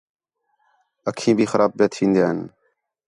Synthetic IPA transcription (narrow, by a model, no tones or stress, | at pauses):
əkʰĩːbʱiːxəɾʔaːb̚pet̪ʰĩːnd̪ijaːɦɪn